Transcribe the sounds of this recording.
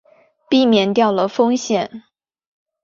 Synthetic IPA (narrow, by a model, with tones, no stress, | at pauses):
pi˥˩mjɛ˧˥nt̪jɑ˥˩ʊlə˩fɤ˥ŋɕjɛ˥˨˩n